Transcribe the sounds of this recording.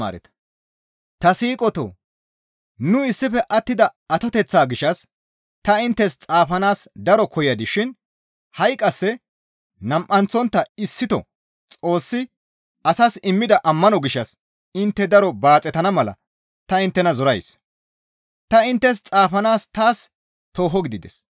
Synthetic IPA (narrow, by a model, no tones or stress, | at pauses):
a̰ːɾɛ̰t̪ɐ̥ | t̪ɐsiːkʼɔt̪o̰ː | nʊɪsːɪfɛʔɐt̪ːɪd̪ɐɐt̪ɔt̪ɛt͡sːaːɡɪʃːɐs | t̪ɐɪnt̪ːɛst͡sʼaːfɐnaːsd̪ɐɾɔkʰɔjɐd̪ɪʃɪn | hɐjkʼːɐsːɛ | nɐmʔɐnt͡sɔnt̪ːɐɪsːɪt̪ɔ̰ | t͡sʼo̞ːsːɪ | ɐsasɪmːɪd̪ɐʔɐmːɐnɔɡɪʃːɐs | ɪnt̪ːɛd̪ɐɾɔbaːt͡sʼɛt̪ɐnɐmɐlɐ̰ | t̪ɐɪnt̪ːɛnɐzɔɾɐjs | t̪ɐɪnt̪ːɛs̬t͡sʼaːfɐnaːst̪aːs | t̪o̞ːɦɔɡɪd̪ɪd̪ɛ̰s